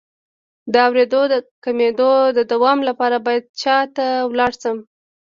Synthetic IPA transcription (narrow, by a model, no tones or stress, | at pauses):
d̪əawɾed̪od̪əkamed̪od̪əd̪awɑmlapɑɾabɑjad̪̚t͡ʃɑt̪awlɑɽsəm